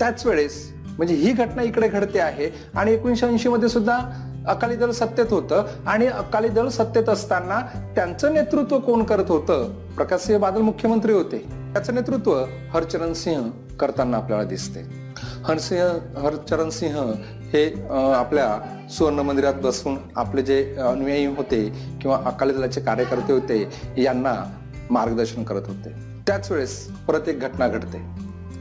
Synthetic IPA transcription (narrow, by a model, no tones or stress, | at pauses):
t̪jat͡sʋeɭes | m̤əɳd͡zeɦiːɡʱəʈnaikɽeɡʱəɽt̪eaɦe | aɽ̃iekʋinɕiinɕiməd̪ʱjesud̪ʱːa | əkalid̪əlsət̪ːjet̪ɦot̪əːaɽ̃iəkalid̪əɭsət̪ːjet̪əst̪anːat̪jant͡səːnet̪ɾut̪ʋəkoɳkəɾət̪ɦot̪əː | pɾəkasĩɦəbad̪əlmukʰjəmənt̪ɾiːɦot̪e | t̪jat͡səːnet̪ɾut̪ʋə | həɾt͡ɕəɾənsĩɦə | kəɾt̪anːaːpljalad̪ist̪e | hənsĩɦɦəɾt͡ɕəɾənsĩɦə | heaplja | suʋəɾɳəmənd̪iɾat̪̚bəsuːna̰pled͡ʑeənujəjĩːɦot̪ekĩw̃ʋaʔəkalit̪lat͡ɕekaɾjəkəɾt̪eɦot̪ejanːa | maɾɡd̪əɾɕənkəɾət̪ɦot̪e | t̪jat͡sʋeɭes | pɾət̪jek̚ɡʱəʈnaɡʱəɽt̪e